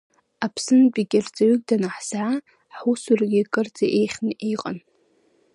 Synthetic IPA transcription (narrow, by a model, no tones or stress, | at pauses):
apʰsɨnbʲʼiɡʲɪrd͡zʼaɥyk̚ʲʼdanaħz̥ʕa | ħusurɡʲikʼɨrt͡sʼaʔejχʲnɨʔejqʼa̰n